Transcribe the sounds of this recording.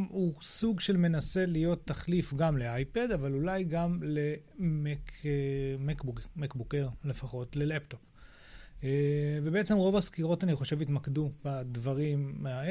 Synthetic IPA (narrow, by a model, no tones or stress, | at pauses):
usuɡʃe̞lme̞nase̞lijo̞t̪ːaχlifɡamleajpedavalulajɡamlemek | mekbumekbukeʁle̞faχo̞tle̞lepto̞p | evebeet͡semʁo̞vaskiʁo̞taniχo̞ʃe̞vitmakdubadvaʁimːeae